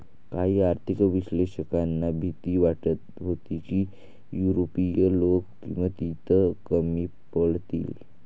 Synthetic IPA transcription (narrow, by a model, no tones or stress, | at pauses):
kaɦiːaɾt̪ʰikʋiɕleɕəkanːabʱit̪iːʋaʈət̪ɦot̪ikiː | juɾopijəlokkḭ̃w̃ʋat̪it̪ʰəkəmiːpəɭt̪ḭːl